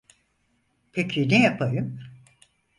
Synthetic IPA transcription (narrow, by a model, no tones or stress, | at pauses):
pʰecʰinejapʰajɯm